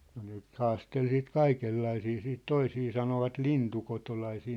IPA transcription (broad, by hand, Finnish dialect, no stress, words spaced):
no ne nyt hɑːstel siːt kɑikelːɑisiː siːt toisiː sɑnoʋɑt lintukotolɑisiː